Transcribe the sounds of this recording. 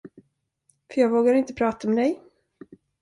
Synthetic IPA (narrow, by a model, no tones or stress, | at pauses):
fœɾjɑːɡvoːɡaɾɪnt̪əpʰɾɑːt̪aɔmɛd̪ɛj